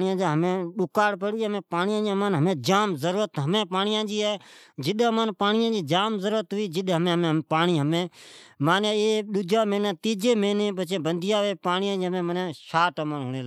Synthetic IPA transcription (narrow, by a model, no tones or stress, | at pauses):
ɪjãːd͡ʒãːɦəmẽːɗʊkaːɽpəɽiːɦəmẽːpaːnɪjãːd͡ʒãːmaːnɦəmẽːd͡ʒaːmzəɾuːɾət̪ɦəmẽːpaːnɪjãːd͡ʒiːɛːd͡ʒɪɗmãːnpaːnɪjãːd͡ʒiːd͡ʒaːmzəɾuːɾət̪ɦʊiːd͡ʒɪɗɦəmẽːmepaːniːɦəmẽːmaːneːeːɗʊd͡ʒaːmeːnãːt̪iːd͡ʒeːmẽːnẽːpət͡ʃẽːbənd̪ɪjãːʋeːpaːɳjãːd͡ʒiːɦəmẽːmənãːʃaːʈːmaːnɦʊːneː